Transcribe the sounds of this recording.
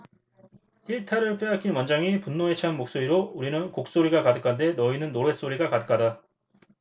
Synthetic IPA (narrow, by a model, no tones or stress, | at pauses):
iɭtʰaɾɯɭp͈jeak͈imʌnd͡ʑaŋipunːoet͡ɕʰanmok̚s͈oɾiɾouɾinɯnkok̚s͈oɾiɡakadɯk͈ʰande̞nʌinɯnːoɾwe̞s͈oɾiɡakadɯkʰada